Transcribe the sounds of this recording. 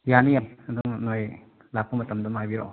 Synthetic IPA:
janijaɐd̪uŋnoj | lap̚ʰomɐtɐmdumajbiɾo̰

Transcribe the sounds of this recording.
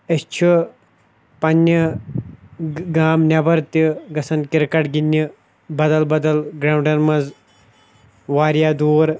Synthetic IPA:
ɐst͡ʃʰi | pɐnʲːɨ | ɡaːmnʲɐbɐɾt̪iɡɐsɐnkiɾkɐʈɡinʲːi | bɐd̪ɐlbɐd̪ɐlɡɾaːwɳɖɐnmɐz | ʋaːɾjaːd̪uːɾ

